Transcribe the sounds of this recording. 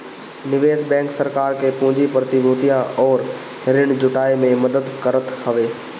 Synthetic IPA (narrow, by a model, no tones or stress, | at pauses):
nɪʋeːsbɛ̃ːŋksɐɾkaːɾkʰeːpʊ̃ɦɪ̃ɲd͡ʑipɾət̪iboːt̪ijãɔːɾ | ɦɪɾɪɽ̃̆d͡ʑʊʈaːimẽmɐd̪əd̪kɐɾət̪hɐʋeː